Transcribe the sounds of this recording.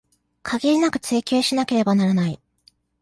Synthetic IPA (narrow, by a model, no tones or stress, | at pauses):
kʰaɡʲeɾʲinakɯ̟̥t͡sɨːkʲoːɕinake̞ɾe̞banaɾanai